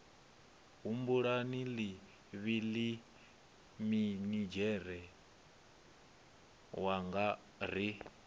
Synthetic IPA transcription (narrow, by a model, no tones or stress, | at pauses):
ɦumbuɺanili | βili | minid͡ʒɛɾɛ | waŋɡa | ɾi